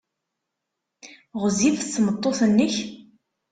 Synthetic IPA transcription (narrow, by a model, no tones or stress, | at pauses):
ʁzivsmət̪ˤːoθnːəç